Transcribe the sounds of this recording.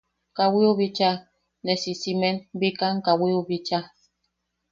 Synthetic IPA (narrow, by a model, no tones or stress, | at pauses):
ŋkawiobit͡ʃa | nɛsisimɛnbikaŋ̩kawiobit͡ʃa